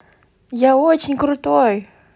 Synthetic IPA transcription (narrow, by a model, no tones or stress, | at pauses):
jaot͡ɕɪnʲkɾʊt̪oj